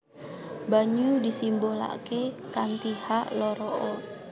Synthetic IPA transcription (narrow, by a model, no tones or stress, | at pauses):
baɲudisimbola̰kekant̪ihaʔlɔɾɔʔɔ